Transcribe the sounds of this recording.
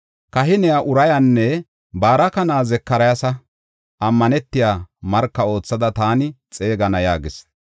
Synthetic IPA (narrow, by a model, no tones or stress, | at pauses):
kɐɦɪnɛjaʔʊɾɐjanːɛ | baːɾɐkɐnaːzɛkːɐɾɐjɐsɐ | ʔɐmːɐnɛt̪ːɪjaːmɐɾkːɐo̞ːt͡sːɐd̪ɐt̪aːnɪt͡sʼe̞ːɡɐnɐjaːɡɪs